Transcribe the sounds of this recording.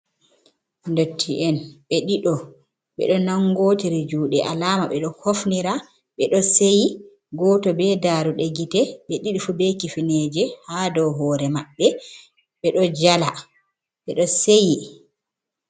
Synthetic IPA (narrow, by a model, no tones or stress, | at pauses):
ndotʰːiʔɛnɓɛɗiɗɔ | ɓɛ̰ɗɔnaŋɡoːtiɾid͡ʒuːɗɛʔalamaɓɛɗɔhofniɾa | ɓɛɗɔseji | ɡɔtɔbɛdaɾuɗeɡitɛɓɛɗiɗifubɛkifinɛːd͡ʒɛhadɔwɦɔːɾɛmaɓːɛ | ɓɛɗɔd͡ʒala | ɓɛɗɔseji